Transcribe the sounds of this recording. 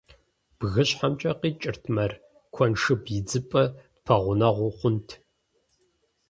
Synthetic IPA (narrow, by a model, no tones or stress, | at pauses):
b̥ɣɨɕħamt͡ʃʼɐqiːt͡ʃʼɪrtʰmɐr | kʷʰɔnʂɨbjɪd͡zɨpʼɐd̥pʰɐʁʷʊnɐʁʷʊχʷʊntʰ